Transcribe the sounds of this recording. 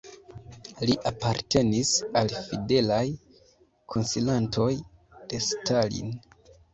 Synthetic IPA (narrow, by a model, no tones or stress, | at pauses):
liʔapaɾte̞nisalfide̞laj | kʰonsilantʰo̞jd̥e̞stalḭn